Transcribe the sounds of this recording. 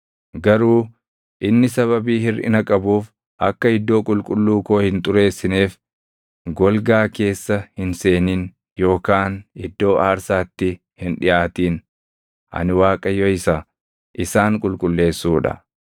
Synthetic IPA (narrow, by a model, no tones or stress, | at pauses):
ɡɐɾuː | ʔɪnːɪsɐβɐbiːhɪrʔɪ̰nɐkʼɐbuːf | ʔɐkːɐɪd̪ːo̞ːkʼʊlkʼʊlːuːko̞ːhɪnt̪ʼʊɾe̞ːsːɪneːf | ɡɔlɡaːke̞ːsːɐhɪnse̞ːniːn | jo̞ːkaːnɪd̪ːo̞ːʔaːɾsaːt̪ːɪ | hɪnᶑɪʔaːt̪iːn | ʔɐ̰nɪwaːkʼɐjɔɪsɐ | ʔɪsaːŋkʼʊlkʼʊlːe̞ːsːuːᶑɐ̰